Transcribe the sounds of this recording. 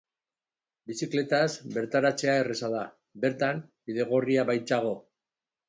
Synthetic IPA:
bisikle̞t̪azbe̞ɾt̪aɾat͡se̞ae̞resaða | be̞ɾt̪ambiðe̞ɣ̞oriaβajt͡saɣ̞o̞

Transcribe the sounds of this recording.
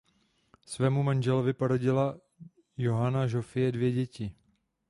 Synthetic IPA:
svɛːmumanʒɛlovɪpoɾoɟɪla | jo̞ɦanaʒofɪjɛdvjɛɟɛcɪ

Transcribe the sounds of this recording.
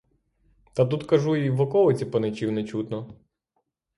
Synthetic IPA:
t̪ɐt̪ut̪kɐʒuiʋɔkɔlˠɪt͡sʲipɔnet͡ʃiwnɛt͡ʃut̪nɔ

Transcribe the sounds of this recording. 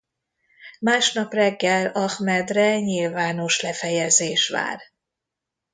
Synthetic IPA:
maːʃnɒprɛɡːɛlɒxmɛd̪rɛɲilvaːno̞ʃlɛfɛjɛzeːʃʋa̰ːr

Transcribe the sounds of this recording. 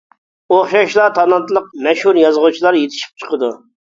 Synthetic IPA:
oχʃɑʃlˠɑt̪ʰɑnɑnt̪lˠəq̚mɛʃhuɾjɑzʁut͡ʃʰilˠɑɾjet̪ʰɪ̥ʃi̥p̚t͡ʃʰə̥qəd̪u

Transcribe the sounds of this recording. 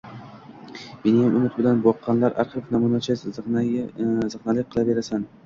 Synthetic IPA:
menɪjamʔʊmɪt̪̚bɪlanbɒqʰːɑnlaɾaɾqɨfnamʊnat͡ʃʰa | zɨχnalɪk̚ʲqʰɨlˠabe̞ɾasan

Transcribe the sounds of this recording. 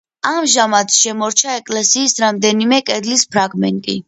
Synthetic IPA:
amʒamat̪ʃɛmɔɾt͡ʃʰaɛkʼlɛsiːsɾamd̪ɛnimɛkʼɛd̪lispʰɾaɡmɛ̰nt̪ʼḭ

